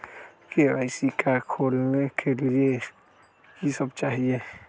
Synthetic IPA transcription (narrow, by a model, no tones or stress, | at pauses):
kea̰ːɪsikakʰoːlnekʰelie | kisəbt͡ʃaːɦie